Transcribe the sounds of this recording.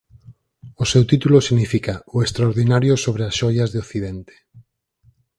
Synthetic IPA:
osewt̪it̪ulosiɣnifikaoest̪ɾaoɾðinaɾjosoβ̞ɾeasʃɔjazðeoθið̞ent̪e̥

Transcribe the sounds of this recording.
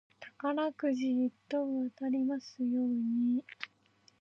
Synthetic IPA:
t̪ḁkanakɯ̟ʑiit̪ːõβat̪aɾʲimasɨjo̞ːɲ̟i

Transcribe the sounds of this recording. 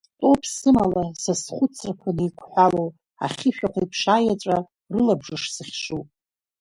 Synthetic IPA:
tʼo̞pʰsɨmalasasχʷʊt͡sʰrkʷʰanijkʷʰħʷalow | a̰χʲɪʃᶣaqʷaipʰʂaːjat͡ʃʷʼa | rɨlabʐɨʂsɨχʲʂupʼ

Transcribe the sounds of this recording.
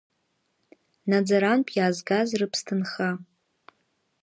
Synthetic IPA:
nad͡zaɾanpʼjaːzɡazrɨpʰstʰɨnχa

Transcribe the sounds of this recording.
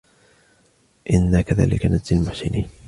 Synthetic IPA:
ʔɪnːakaða̰ːlɪ̰kanad͡ʒd̪almʊħsɪniːn

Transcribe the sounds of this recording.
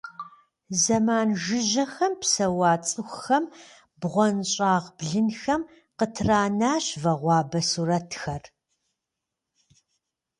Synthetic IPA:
zɐmaːnʒɪʑɐxɐmpsɐwɑːt͡sʼɨxʷxɐm | bʁʷɔnɕʼaːʁbɮɨnxɐm | qətʰraːnaːɕvɐʁʷɑːbɐsuɾɐtʰxɐr

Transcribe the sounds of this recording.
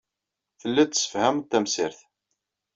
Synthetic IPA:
θəlːit̪ːə̥sə̥fhæmt̪ːæmsɪɾθ

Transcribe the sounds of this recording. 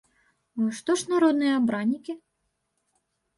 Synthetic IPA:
ʂt̪ɔʂnaɾɔd̪̚nɨjɐabɾanʲːikʲi

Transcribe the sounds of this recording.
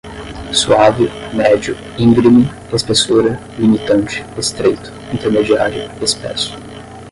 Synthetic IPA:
suavɪmɛd͡ʒʊ | ĩŋɡɾimɪ | espesoɾɐ | limit̪ɐ̃nt͡ʃɪ̥est̪ɾejt̪ʊ̥ĩnt̪eɾmed͡ʒiaɾjʊespɛ̰sʊ̥

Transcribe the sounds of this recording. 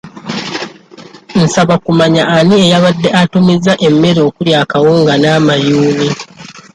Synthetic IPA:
n̩saβakumaɲaːniejaβadːe̞ʔatumizːaʔemːe̞ɾo̞ːkuljaːkawoːŋɡanaːmajuːβi

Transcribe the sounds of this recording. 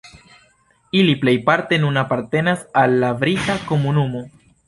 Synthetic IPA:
iliple̞jpaɾte̞nunapaɾte̞nasalːavɾitako̞munumo̞

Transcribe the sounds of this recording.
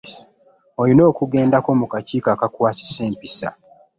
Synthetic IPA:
ojino̞ːkuɡe̞ːndako̞mukaciːkaːkakwaːsi̥se̞ːmpisa̰

